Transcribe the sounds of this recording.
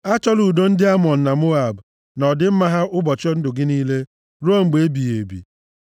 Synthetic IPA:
a˦t͡ʃɔ˦lu˨do˦n̩˦dɪ˦a˦mɔ˨n̩˨na˨mo˦a˨b | nɔ˨dɪ˦m̩˦ma˦ɦa˦ʔʊ˦bɔ˨t͡ʃɔ˦n̩˦dʊ˨ɡɪ˦niː˦le˦ | ɾo˦ŋ͡m̩˨ɡ͡be˨e˦bi˨je˨bḭ˨

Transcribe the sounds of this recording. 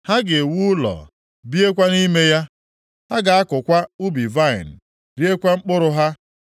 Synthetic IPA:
ha˦ɡe˨wu˦lɔ̰˨ | bi˦e˦kʷa˦ni˦me˦ja˦ | ha˦ɡa˨a˦kʊ˨kʷa˦u˦bi˨va˦˨ɪ̰˨n̩˨ | ɾi˦e˦kʷa˦ŋ͡m̩˦k͡pʊ˦ɾʊ˨ɦa˦

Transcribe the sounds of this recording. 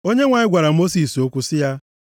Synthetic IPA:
o˦ɲe˦ŋʷa˨ɲɪ˦ɡʷa˨ɾa˨mo˦si˨so˦kʷu˦sɪ˦ja˦

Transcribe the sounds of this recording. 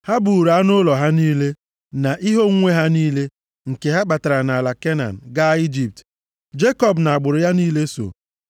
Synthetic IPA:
ha˦bu˨ɾa˨a˦nʊ˦lɔ˨ɦa˦niː˦le˦ | na˨ʔi˦ɦo˦ŋ̩˦ŋʷe˦ɦa˦niː˦le˦ | ŋ̩˨ke˨ɦa˦ɡ͡ba˨ta˨ɾa˨na˨la˨ke˦na̰˨n̩˨ɡa˦i˦d͡ʒi˨p̚t | d͡ʒe˦kɔ˦˨bna˨a˨ɡ͡bʊ˨ɾʊ˨ja˦niː˦le˦so̰˨

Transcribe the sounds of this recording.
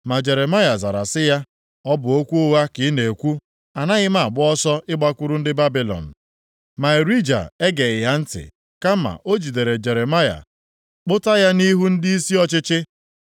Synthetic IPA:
ma˨d͡ʒe˨ɾe˨ma˦ja˨za˨ɾa˨sɪ˦ja˦ | ɔ˦bʊ˨o˦kʷu˦ʊ˦wa˦kɪ˨˦ne˨kʷu˦ | a˨na˦ɣɪ˦ma˨ɡ͡bʊ˦ɔ˦sɔ˦ɪ˦ɡ͡ba˦kʷu˦ɾu˦n̩˦dɪ˦ba˦bi˨lɔ̰˨n̩˨ | ma˨e˨ɾi˦d͡ʒa̰˨e˦ɡe˨ɪ˨ja˦n̩˦tɪ̰˨ | ka˦ma̰˨ʔo˦d͡ʒi˨de˨ɾe˨d͡ʒe˨ɾe˨ma˦ja̰˨ | k͡pʊ˦ta˦ja˦ni˦ɦu˦n̩˦di˦i˦si˦ɔ˦t͡ʃɪ˦t͡ʃɪ˦

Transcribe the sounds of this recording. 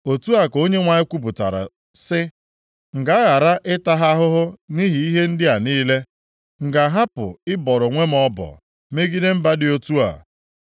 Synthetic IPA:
o˨tu˦a˨ko˦ɲe˦ŋʷa˨ɲɪ˦kʷu˦bu˨ta̰˨ɾa̰˨ | sɪ˦ | ŋ̩˨ɡa˦a˦ɣa˨ɾa˦ʔɪ˦ta˦ɦa˦ɦʊ˦ɦʊ˦ni˦ɦi˨i˦ɦe˦n̩˦dɪ˦a˨niː˦le˦ | ŋ̩˨ɡa˨ɦa˦pʊ̰˨ɪ˦bɔ˨ɾʊ˨ŋʷe˦m̩˦ɔ˦bɔ̰˨ | me˦ɡi˦de˦m̩˦ba˦dɪ˦o˦tu˦a̰˨

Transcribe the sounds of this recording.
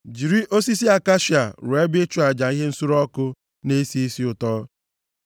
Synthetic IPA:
d͡ʒi˨ɾi˦ʔo˦si˦si˦a˨ka˦ʃi˨a˨ɾʊ˨e˦bɪ˦t͡ʃu˦a˨d͡ʒa˨i˦ɦe˦n̩˦su˦ɾɔ˦kʊ˦ | ne˦si˦i˦si˦ʊ˨tɔː˦

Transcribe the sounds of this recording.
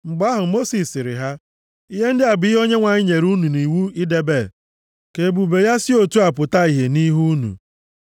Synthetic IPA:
ŋ͡m̩˨ɡ͡ba˦ɦʊ˨mo˦si˨sɪ˨ɾɪ̰˨ɦa˦ | i˦ɦe˦n̩˦dɪ˦a˨bi˦ɦo˦ɲe˦ŋʷa˨ɲɪ˦ɲe˨ɾu˦nu˨ni˨wu˦i˦de˦be˦˨ | ke˨bu˨be˨ja˦sɪ˦o˨tu˦a˨pʊ˨ta˦i˨ɦe˨ni˦ɦu˦nṵ˨

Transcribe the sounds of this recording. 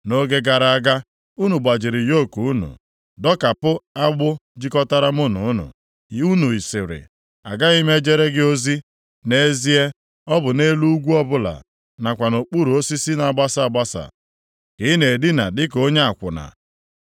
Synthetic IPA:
no˦ɡe˦ɡa˨ɾa˨a˨ɡa˦ | u˦nu˨ɡ͡ba˨d͡ʒɪ˨ɾɪ˨jo˦˨ku˨u˦nṵ˨ | dɔ˦ka˨pʊ˦a˦ɡ͡bʊ˦d͡ʒi˦kɔ˦ta˦ɾa˦mʊ˦nʊ̰˨ʊ˦nʊ̰˨˦ | u˦nu˨i˨sɪ˨ɾɪ̰˨ | a̰˨ɡa˦i˦me˦d͡ʒe˦ɾe˦ɡɪ˦o˦zi˦ | ne˦zi˦e˦ | ɔ˦bʊ˨ne˦lu˦u˦ɡʷu˦ɔ˦bʊ˦la̰˨ | na˨kʷa˨no˨k͡pu˦ɾu˨o˦si˦si˦na˨a˨ɡ͡ba˦sa˨a˨ɡ͡ba˦sa̰˨ | kɪ˨˦ɪ˦ne˨dɪ˦na̰˨dɪ˦ko˦ɲe˦a˨kʷʊ̰˨na̰˨

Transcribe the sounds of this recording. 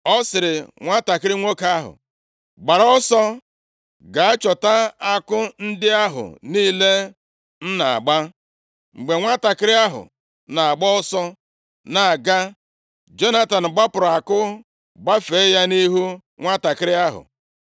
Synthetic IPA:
ɔ˦sɪ˨ɾɪ˨ŋʷa˦ta˨kɪ˦ɾɪ˦ŋʷo˦ka˦ɦʊ̰˨ | ɡ͡ba˨ɾɔ˦sɔ˦ | ɡa˨a˦t͡ʃɔ˨ta˦a˦kʊ˦n̩˦dɪ˦a˦ɦʊ̰˨niː˦le˦ | n̩˦na˨a̰˨ɡ͡ba˦ | ŋ͡m̩˨ɡ͡be˨ŋʷa˦ta˨kɪ˦ɾɪ˦a˦ɦʊ̰˨ | na˨a˨ɡ͡bɔ˦ɔ˦sɔ˦ | na˨a˨ɡa˦ | d͡ʒo˦na˦ta˨n̩˨ɡ͡ba˦pʊ˨ɾa˨kʊ˦ | ɡ͡ba˦fe˨˦ja˦ni˦ɦu˦ | ŋʷa˦ta˨kɪ˦ɾɪ˦a˦ɦʊ̰˨

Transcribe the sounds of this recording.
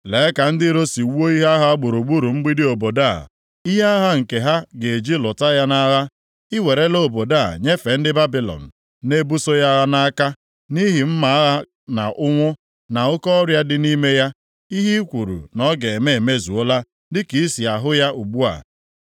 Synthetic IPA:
le˨˦ka˨n̩˦dɪ˦ɾo˦si˨wu˦o˦i˦ɦa˦ɦa˦ɡ͡bʊ˨ɾu˨ɡ͡bu˦ɾu˨ŋ͡m̩˦ɡ͡bi˦dɪ˦o˨bo˨da˦˨ | i˦ɦa˦a˦ɦa˦ŋ̩˨ke˨ɦa˦ɡe˨e˨d͡ʒi˦lʊ˨ta˦ja˦na˦ɣa˦ | ɪ˦we˨ɾe˦lo˦˨bo˨da˦˨ɲe˦fe˨n̩˦dɪ˦ba˦bi˨lɔ̰˨n̩˨ | ne˦bu˦so˦ja˦ɣa˦na˦a˦ka˦ | ni˦ɦɪ˨m̩˦ma˨a˦ɦa˦ | na̰˨ʔʊ˦ŋʷʊ˦ | na˨ʊ˦kɔ˦ɾja˦dɪ˦ni˦me˦ja˦ | i˦ɦi˦kʷu˨ɾṵ˨nɔ˦ɡe˨e˨me˦e˨me˦zu˨o˦la˦ | dɪ˦ki˨i˦si˨a˨ɦʊ˦ja˦u˨ɡ͡bu˦a̰˨

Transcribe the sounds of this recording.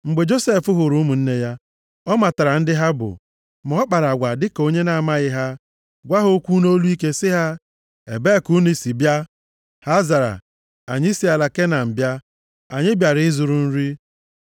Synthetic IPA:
ŋ͡m̩˨ɡ͡be˨d͡ʒo˦se˦˨fʊ˦ɦʊ˨ɾu˦mu˨n̩˦ne˦ja˦ | ɔ˦ma˨ta˨ɾa˨n̩˦dɪ˦ɦa˦bʊ̰˨ | mɔ˦k͡pa˨ɾa˨ɡʷa˨dɪ˦ko˦ɲe˦na˨ma˦ɣɪ˦ɦa˦ | ɡʷa˦ɦo˦kʷu˦no˦lu˦i˦ke˦sɪ˦ɦa˦ | ḛ˨be˦ku˦ni˦si˨bja˦ | ha˦za˨ɾa̰˨ | a̰˨ɲɪ˦si˦a˨la˨ke˦na˨m̩˨bja˦ | a˨ɲɪ˦bja˨ɾɪ˨˦ɪ˦zu˨ɾu˨n̩˦ɾi˦

